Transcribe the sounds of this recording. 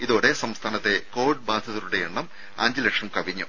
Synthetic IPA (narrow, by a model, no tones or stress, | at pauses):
iðo̞ːɽe̞sɐmst̪ʰaːnɐt̪ːe̞ko̞ːɖ̚baːd̪ʱɐðiɾuɽejeɳːɐm | aːɲd͡ʑilekʂɐmkɐʋiɲːu